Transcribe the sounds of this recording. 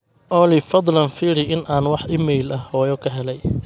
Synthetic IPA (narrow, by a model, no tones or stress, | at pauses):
ʔɔlɪfɑd̪ˤlɐnfiːɾɪʔɪnʔaːnwɑħʔɪmɛjlɐhhɔːjɔkʰɐɦɛlɛj